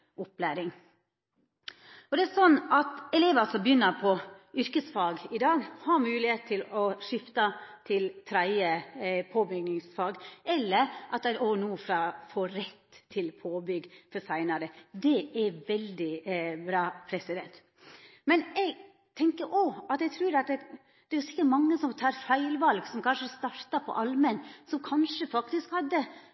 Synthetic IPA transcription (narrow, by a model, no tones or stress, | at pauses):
ʔɔplæːɾɪŋ | ɔd̪ɛæsɔnːɑt̪ɛleːʋəsɔmbjʏnːəɾpʰɔʏɾkəsfɑːɡɪd̪ɑːɡhɑɾmʉːlɪheːt̪t̪ʰːɪlɔʂɪft̪ɑt̪ʰɪlt̪ʰɾæɪəpʰoːbʏɡnɪŋsfɑːɡɛlːəɾʔɑt̪æoːnuːfɾɑːfoːɾɛt̪ʰːɪlpʰoːbʏɡfɔsæɪnɑɾəd̪ɛɛɾʋɛld̪ɪbɾɑːpʰɾɛsɪd̪ɛnt̪ | mɛnɛɡ | t̪ʰɛŋkəɾʔɔɑt̪ɛɪt̪ʰɾʉːɾɑt̪̚d̪ɛ | d̪̥ɛɾsɪ̥kːəʈmɑŋːəsɔmt̪ʰɑːɾfæɪlʋɑlɡsɔmkʰɑnʂəst̪ɑɾt̪ɑpʰɔ̰ʔɑlmənsɔmkʰɑnʂəfɑkt̪ɪskhɑd̪ːə